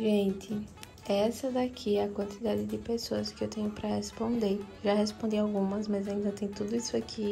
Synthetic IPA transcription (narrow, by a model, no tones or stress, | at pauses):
ʒẽnt̪ʰɪ | ɛsɐd̪akʰiɛɐkwɐ̃nt̪ʰid̪ad̪ɪd̪ɪpesoɐskɪewt̪ẽɲʊpɾɐhespõnd̪eɾewʒaɦespõnd̪iawɡũmɐsmɐzaĩnd̪ɐt̪ẽj̃t̪ud̪ʊisʊakʰi